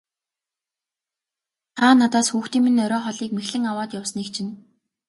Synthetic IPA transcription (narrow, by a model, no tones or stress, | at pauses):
t̪ʰaːnːat̪aːsxuːxt̪iːŋminœɾɔːχɔɮiːkmexɮɘ̆ŋawaːt̪jawsniːk̚t͡ɕʰĭn